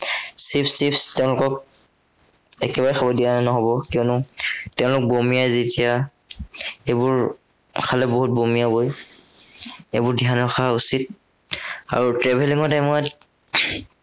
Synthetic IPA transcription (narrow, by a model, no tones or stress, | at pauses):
sipsipstɛʊ̃lʊkɔk̚ | ɛkɛbaɹɛxʰabɔdianɛnɔɦɔbɔkiɔnʊtɛʊ̃lʊk̚bomijajzitija | ebuɹ | kʰalɛboɦut̚bomijaboj | ḛbʊɹdʱianɔxʰaausit̚ | a̰ɹutɹɛbʱeliŋɔtamɔat